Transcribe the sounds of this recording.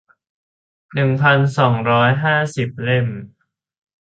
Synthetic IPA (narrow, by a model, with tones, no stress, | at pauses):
nɯ˨˩ŋpʰa˧nsɔː˩˦ŋɾɔː˦˥jɦaː˥˩si˨˩p̚le˥˩m